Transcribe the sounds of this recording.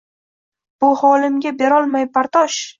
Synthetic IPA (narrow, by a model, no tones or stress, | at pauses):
b̥ʊhɒlɪmɡʲabe̞ɾɒlˠmajpaɾt̪ʰɒʃ